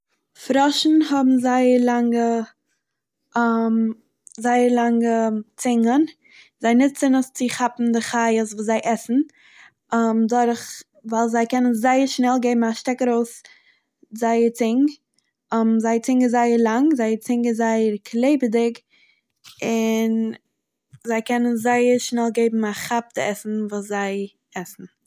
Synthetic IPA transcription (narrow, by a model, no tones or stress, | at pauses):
fɾɔʃn̩hɔbm̩zaɪəɾlˠaŋɡə | m | zaɪəɾlˠaŋɡət͡sɪŋɡən | zaɪnɪtt͡sɪnəst͡sɪχapm̩dɪχaəsvuːszaɪʔɛsn̩ | mdʊɾχ | vaɪlˠzaɪkɛnənzaɪəɾʃnɛlˠɡeɪbm̩aʃtɛkɾoʊs | zaɪəɾt͡sɪŋɡ | mzaɪət͡sɪŋɡəzaɪəɾlˠaŋzaɪəɾt͡sɪŋɡəzaɪəɾkʰlˠeɪbədɪk | ɪn | zaɪkɛnənzaɪəɾʃnɛlˠɡeɪbm̩aχap̚dɪɛsn̩vuːszaɪ | ɛsn̩